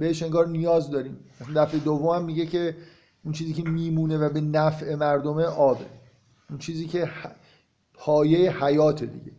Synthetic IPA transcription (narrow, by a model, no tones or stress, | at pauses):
beheʃe̞ŋɡɒːɾnijɒːzd̪ɒːɾiːmæsænd̪æfed̪ovːomæmːiɟecʰe̞ | unt͡ʃʰiːziːkcʰe̞miːmuːne̞væbe̞næfʔe̞mæɾd̪omeʔɒːbe̞̰ | unt͡ʃʰiːziːcʰe̞h | pʰɒːjejehæjɒːt̪ʰed̪ḭɟe